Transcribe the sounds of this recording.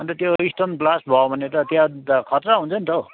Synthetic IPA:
bʌnt̪ʌt̪joisʈʌnblasʈbʱʌobʱʌnet̪ʌt̪jãkʰʌt̪raɦũnt͡sʰʌnt̪ʌo

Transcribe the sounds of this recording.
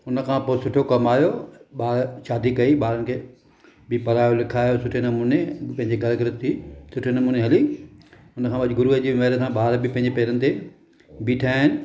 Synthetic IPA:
ʊnə̆kʰãːpoːɪsʊʈʰokɐmaːjoɓaːɾʃaːd̪ikɐiɓaːɾənɪ̆kʰeː | bɪpɐɾaːjolɪkʰaːjosʊʈʰenɐmuːnepɐ̃ɦɪ̃ɲd͡ʑeɡʱɐɾɡɾɪt̪isʊʈʰenɐmuːneɦɐli | ʊnəkʰãbɐɗɪɡʊɾuːəd͡ʑiːʋɐːɾəsãɓaːɾbɪpɐ̃ɦɪ̃ɲd͡ʑepɛːɾənɪt̪ʰe | biːʈʰaːɦɪnɪ̆

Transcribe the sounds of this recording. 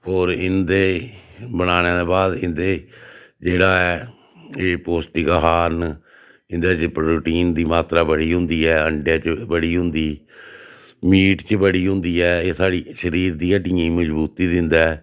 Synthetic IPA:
oːɾɪnd̪eːbəɽ̃aːñeːd̪eːbaːd̪ɪnd̪eːd͡ʒeːɽaːɛː | eːpoːsʈiːkaɦaːn | ɪnd̪aːd͡ʒɪpɾɾuːʈiːnd̪iːmaːt̪ɾaːbəɽiːɦʊ̃nd̪iːɛːəɳɖjaːt͡ʃbəɽiːɦʊ̃nd̪iː | miːʈt͡ʃəbəɽiːɦʊ̃nd̪iːɛːeːsaːɽiːʃəɾiːɾd̪iːəʈiːĩməd͡ʒbuːt̪iːd̪ɪnd̪ɛː

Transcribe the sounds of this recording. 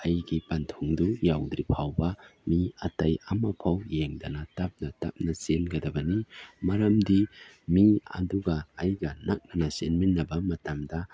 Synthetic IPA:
ɐjɡipantʰuŋdujawdɾipʰawbɐmiɐtajɐmɐpʰawjeŋdɐnɐtap̚nɐta̰p̚nɐsenɡɐdɐbɐnimɐɾɐmdimiɐ̰duɡɐːjɡɐnak̚nɐnɐsenminːɐbɐmɐtamdɐ

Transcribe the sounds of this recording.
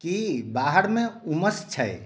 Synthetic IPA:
kibaɦəɽmẽuməst͡ʃʰəj

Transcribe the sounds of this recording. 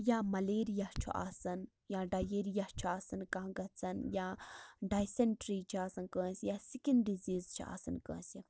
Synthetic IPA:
jaːmɐleːɾijɐht͡ʃʰṵʔa̰ːsɐn | jaːɖajeːɾijɐht͡ʃʰuaːsɐnkãɦɡɐt͡sʰɐnjaːɖaːjseɳʈɾiːt͡ʃʰiaːsɐnkə̃ːsjaːsikɐnɖiziːzt͡ʃʰia̰ːsɐnkə̰̃ːsi

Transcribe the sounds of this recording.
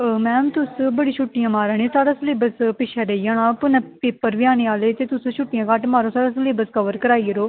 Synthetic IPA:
mɛ̃ːmt̪ʊsbəɽiːʃʰʊʈːijãːmaːɾaːɽ̃eːsaːɽaːsəleːbəspɪʃʰaːɾeijaːnãːpʊnãːpeːpːəɾʋɪjaːneːaːleːt̪eːt̪ʊsũːʃʰʊʈːijãːkaːʈmaːɾoːsaːɽãːsəleːbəskəʋəɾkəɾaːiːəɾoː

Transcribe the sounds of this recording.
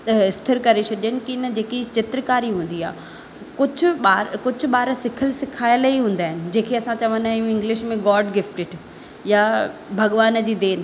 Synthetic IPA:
ɪst̪ʰɪɾkɐɾet͡ɕʰɐɗənɪ̆kiɪnəd͡ʑeːkit͡ɕɪt̪ɾəkaːɾiɦũːn̆d̪ia̰ː | kʊd͡ʑʱʊɓaːɾkʊd͡ʑʱʊ̆ɓaːɾəsɪkʰəlsɪkʰaːɪliɦũːnd̪aːɦɪnɪ̆d͡ʑẽːkʰeɐsãt͡ɕɐʋə̃nd̪aːjũɪ̃ŋɡlɪʃmẽɡɔːɾɖɡɪfʈɪɖ | jabʱɐɠʋaːnd͡ʑiːd̪eːn

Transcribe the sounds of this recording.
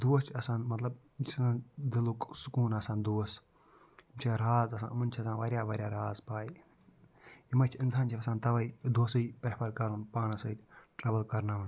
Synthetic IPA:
d̪uɐst͡ʃʰɐsãːnmɐt̪lɐb̚ | t͡ʃʰsãːnd̪ɪluksukuːnɐsãːnd̪uɐs | t͡ʃʰiɾaːzɐsã̰ːmɐnt͡ʃʰiɐsaːʋɐɾjaːʋɐɾʲjaːɾaːzpaːi | imɐt͡ʃʰiɪnsaːnt͡ʃʰiɐsãːnt̪ɐʋɐid̪oːsɐipɾɐpʰɐɾkɐɾunpaːnɐsɐʈɾaːʋəlkɐɾnaʋɐn

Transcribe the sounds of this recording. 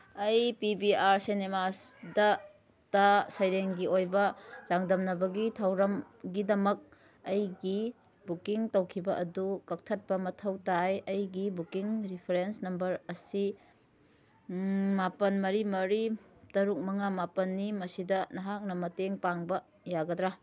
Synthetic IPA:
ɐjpibiaɾsinemasdɐ | tɐsɐjɾeŋɡiojbɐzaŋdɐmnɐbɐɡitʰawɾɐm | ɡidɐmɐk̚ | ɐjɡi | bukiŋtɐwkʰibɐʔɐdukɐk̚tʰɐt̚pɐmɐtʰɐwtajɐjɡibukiŋɾipʰeɾensnɐmbɐɾɐsi | mapɐnmɐɾimɐɾitɐɾuk̚mɐŋamapɐnːimɐsidɐnɐɦak̚nɐmɐteŋpaŋbɐ | jaɡɐdɾa

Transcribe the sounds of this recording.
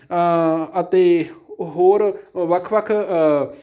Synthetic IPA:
ɐt̪eɦoːɾʋɐkʰʋɐkʰ

